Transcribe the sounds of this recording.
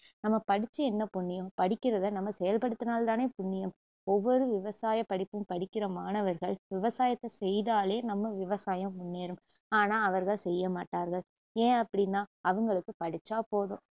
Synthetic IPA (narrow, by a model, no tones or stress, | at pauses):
nɐmːɐpɐɽɪt͡ʃːɯɛnːɐpʊɳːɪjɐ̃mpɐɽɪkʲːɪɾɐðɐnɐmːɐsɛjɐlpɐɽɯt̪ːɯnaːlt̪aːneːpʊɳːɪjɐm | ɔʋːɔɾɯʋɪʋɐsaːjɐpːɐɽɪpːɯmpɐɽɪkːɪɾɐmaːnɐʋɐɾɣɐɭʋɪʋɐsaːjɐt̪ːɐsɛjðaːleːnɐmːɐʋɪʋɐsaːjɐmːʊɳːeːɾɯmaːnaːɐʋɐɾɣɐɭsɛjːɐmaːʈːaːɾɣɐɭ | ẽːɐpːɐɽɪnːaːɐʋɐŋɡɐɭɯkːɯpɐɽɪt͡ʃːaːpoːðõː